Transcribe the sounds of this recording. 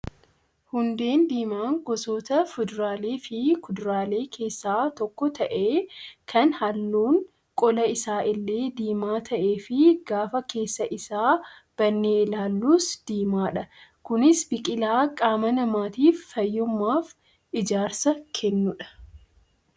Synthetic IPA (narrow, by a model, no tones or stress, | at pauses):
hʊnd̪e̞ːnd̪iːmaːŋɡɔsoːt̪ɐfʊd̪ɾaːleːfɪkʊd̪ʊɾaːle̞ːkʰe̞ːsːaːt̪ɔkːɔt̪ɐʔe̞ːkʰɐnhɐlːuːŋ | kʼɔlɐɪsaːʔɪlːe̞ːd̪iːmaːt̪ʰɐʔeːfɪɡaːfɐke̞ːsːɐʔɪsaː | b̥ɐnːeːlaːlːuːsd̪̥iːmaːᶑɐkʊnɪsbɪkʼɪlaːkʼaːmɐnɐmaːt̪iːfːɐjːʊmːaːf | ɪd͡ʒaːɾsɐkʰɛnːʊᶑɐ̥